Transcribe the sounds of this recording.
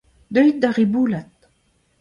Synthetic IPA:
d̪œjt̪̚d̪aʁibuːlat̪

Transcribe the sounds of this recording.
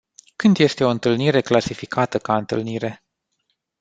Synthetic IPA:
kɨnd̪je̞st̪e̞o̞ɨnt̪ɨlniɾe̞klasifikʰat̪əkaɨnt̪ɨlniɾe̞

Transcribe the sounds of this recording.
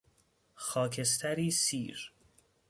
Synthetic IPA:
xɒːkʰest̪ʰæɾiːsiːɾ

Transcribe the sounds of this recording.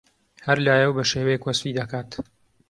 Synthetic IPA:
hɐɾlaːjɐwbɐʃeːwɐjekwɐsfiːd̪ɐkaːt̪

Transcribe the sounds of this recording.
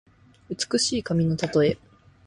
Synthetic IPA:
ɯ̟t͡sɨ̥kɯ̟ɕiːkamʲino̞t̪at̪o̞e̞

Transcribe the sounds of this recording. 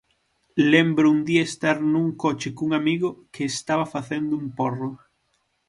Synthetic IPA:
lembɾʊund̪iaest̪aɾnuŋkot͡ʃɪkuŋamiɣʊkɪːst̪aβɐfaθend̪ʊumporʊ

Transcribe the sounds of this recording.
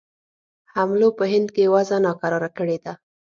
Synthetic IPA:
hamlopəɦɪnd̪kejwazanɑkaɾɑɾakəɽed̪a

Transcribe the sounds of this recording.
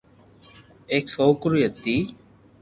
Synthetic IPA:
eːksoːkʊɾujəd̪iː

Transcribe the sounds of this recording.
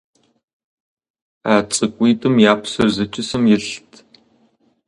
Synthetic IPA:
aːt͡sʼɨkʷʼiːtʼɨmjaːpsɐrzɐt͡ʃʼɪsɨmjɪɬtʰ

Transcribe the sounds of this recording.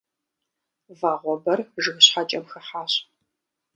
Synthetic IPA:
vaːʁʷɔbɐrʒɨɣɨɕħat͡ʃʼɐmxɐħaːɕ

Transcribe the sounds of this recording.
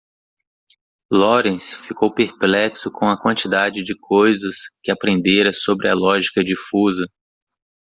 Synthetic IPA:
lɔɾẽsfikowpeɾplɛksʊkõɐkwɐ̃nt͡ʃid̪ad͡ʒɪd͡ʒɪkʰojzɐskɪapɾẽnd̪eɾɐsobɾɪɐlɔʒikɐd͡ʒifuzɐ

